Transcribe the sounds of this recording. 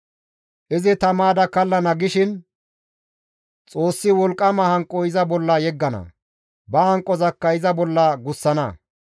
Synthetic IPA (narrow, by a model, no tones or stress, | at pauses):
ʔɪzɪt̪ɐmaːd̪ɐkɐlːɐnɐɡɪʃɪn | t͡sʼo̞ːsːɪwɔlkʼːɐmɐhɐŋkʼːɔɪzɐbɔlːɐjɛɡːɐnɐ̰ | bɐhɐŋkʼːɔzɐkːɐɪzɐbɔlːɐɡʊsːɐnɐ̰